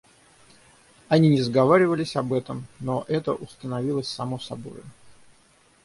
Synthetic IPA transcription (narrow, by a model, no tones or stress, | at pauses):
ɐnʲinʲɪzəɡɐvaɾʲɪvəlʲɪsʲɐbɛt̪əmnoʔɛt̪ə̰ʔʊst̪ənɐvʲilˠəsʲsɐmosɐbo̞̰jʊ